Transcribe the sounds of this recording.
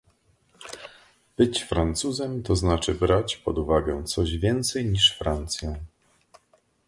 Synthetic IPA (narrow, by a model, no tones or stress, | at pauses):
b̥ɘt͡ɕfɾant̪suzɛmt̪ɔznat͡ʂɘbɾat͡ɕpɔd̪uvaɡɛt̪sɔʑvʲjɛnt̪sɛjɲiʂfɾant̪sʲjɛ